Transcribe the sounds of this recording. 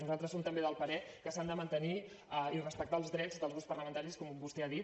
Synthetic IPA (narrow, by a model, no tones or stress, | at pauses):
nuzalˠt̪ɾəsomt̪əmbeðəlˠpəɾɛkəsand̪əmənt̪əni | əirəspək̚t̪alˠzðɾɛd͡zðəlˠzowspərləmənt̪aɾiskɔmbust̪ɛaðit̪